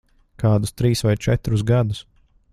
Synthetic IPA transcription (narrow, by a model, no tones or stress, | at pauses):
kaːd̪ust̪ɾiːsvajt͡ʃɛt̪ɾusɡad̪us